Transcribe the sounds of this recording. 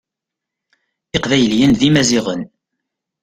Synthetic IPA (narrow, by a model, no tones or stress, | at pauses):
ɪqvæjəljənðimæziʁən